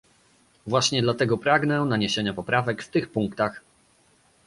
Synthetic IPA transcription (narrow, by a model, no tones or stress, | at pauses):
vwaɕɲɛd̪lat̪ɛɡɔpɾaɡnɛnaɲeɕeɲapɔpɾavɛkft̪ɘxpuŋkt̪ax